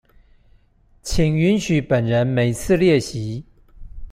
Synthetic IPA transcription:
t͡ɕʰi˨˩ŋy˧˥nɕy˨˥pə˨˩nɻə˧˦˥nme˨˩ɪt͡sʰɹ̩˥˧ljɛ˥˩ɕi˧˥

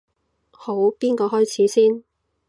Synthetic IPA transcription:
ho˨˥wpiː˥nkɔː˧ɦɔː˥jt͡sʰiː˨˥siː˥n

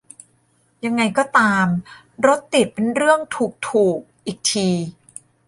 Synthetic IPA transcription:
ja˧ŋːa˧jkɔː˥˩t̪aː˧m | ɾo˦˥t̪ːi˨˩t̪̚pe˧nɾɯ˥˩əŋt̪ʰuː˨˩k̚t̪ʰuː˨˩k̚ʔiː˨˩k̚t̪ʰiː˧

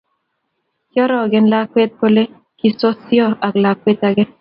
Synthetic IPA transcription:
kjɔ˦ɾɔ˨ɡɪ˦nla˦kwe˦t̪̚ko˦le˦ | ki˦so˦sjɔ˦a˨kla˨kwe˦t̪aɡɪ˦n

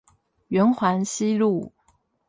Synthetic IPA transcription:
ɥɛ˧˥nxwa˧˥nɕi˥lu˥˩

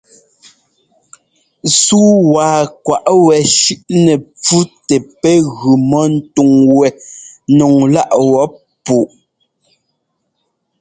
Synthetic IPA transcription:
suː˦waː˨kwa˨ʔwɛ˨ʃʉ˦ʔnɛ˨p͡fu˦tɛ˨pɛ˦ɣʉ˨mɔ˦n̩˦tu˨ŋwɛ˨nɔ˨ŋla˦ʔwɔ˦p | pu˨ʔ

